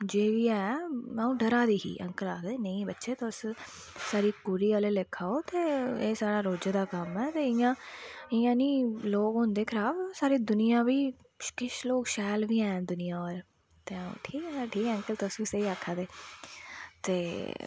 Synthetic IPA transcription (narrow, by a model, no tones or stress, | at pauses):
d͡ʒeːʋiːɛːãũːɖəɾaːd̪iːɦḭːʔə̰ŋkəlaːd̪eːnəĩːbətːʃeːt̪ːʊs | saːɾiːkuːɾiːaːleːlɪkʰːaːoːt̪eːeːsaːɽaːɾoːd͡ʒad̪aːkəmɛːt̪eːɪjãːɪjãːniːloːkɦʊ̃nd̪eːkʰɾaːbsaːɾiːd̪ʊnɪjãːʋiː | ʃkɪʃloːkʃɛːlʋiːɛ̃ːd̪ʊnɪjãːoːɾ | t̪eːãṵ̃ːʈʰiːkɛːʈʰiːkɛə̃ŋkəlt̪eʊsʋiːsəiːakʰːaːd̪eː | t̪eː